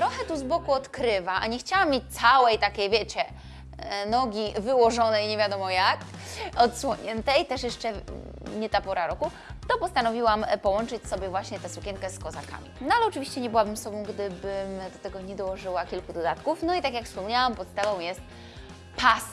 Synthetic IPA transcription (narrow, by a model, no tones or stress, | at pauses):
t̪ɾɔxɛt̪uzbɔkuɔt̪kɾɘvaʔa̰ɲɛxt͡ɕawamʲːjet͡ɕt̪sawɛjt̪akʲejvʲjɛt͡ɕɛ | nɔɡʲivɘwɔʐɔnɛjɲevʲjad̪ɔmɔjak | ɔt̪swɔɲɛnt̪ɛjt̪ɛʂjɛʂt͡ʂɛ | ɲɛt̪apɔɾaɾɔku | t̪ɔpɔst̪anɔvʲiwampɔwɔnt͡ʂɘt͡ɕsɔbʲjɛvwaɕɲɛt̪ɛsukʲɛŋkɛskɔzaka̰mʲḭnɔalɛɔt͡ʂɨvʲiɕt͡ɕɛɲɛbɘwabɘmsɔbɔ̃w̃ɡd̪ɘbɘmd̪ɔt̪ɛɡɔɲɛd̪ɔwɔʐɘwakʲilkud̪ɔd̪at̪kufnɔit̪ak̬ʲjakfspɔmɲawampɔt̪st̪avɔ̃w̃jɛst̪̚ | pas